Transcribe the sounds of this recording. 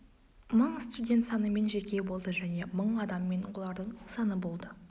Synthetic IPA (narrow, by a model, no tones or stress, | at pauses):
məɴst̪udʲe̞nt̪sɑnəme̞nʒe̞kʲe̞bo̞lˠd̪əʒæne̞məɴɑd̪ɑmːe̞nwolˠɑɾd̪əɴsɑnəbo̞lˠd̪ə